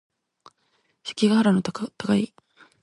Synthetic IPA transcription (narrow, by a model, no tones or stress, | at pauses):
ɕi̥kʲiɡahaɾanot̪akai